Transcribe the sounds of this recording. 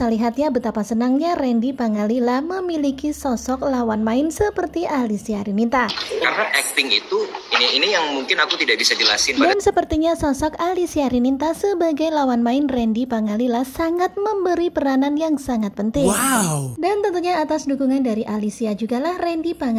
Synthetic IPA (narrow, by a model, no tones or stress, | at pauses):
saliɦat̪̚ɲabət̪apasənaŋɲarɛndipaŋalilahməmilikisɔsɔklawanmaɪnsəpərt̪iʔalisiaɾinint̪akaɾənaʔɛk̚t̪ɪŋit̪uiniinijaŋmuŋkɪnakut̪idaʔbisad͡ʒəla̰sɪndadaansəpərt̪iɲasɔsɔkalisiaɾinint̪asəbaɡajlawanmaɪnrɛndipaŋalilahsaŋat̪̚məmbəɾipəɾananjaŋsaŋat̪̚pənt̪ɪŋdant̪ənt̪uɲaːt̪asdukuŋandaɾiʔalisiad͡ʒuɡalahrɛndipaŋ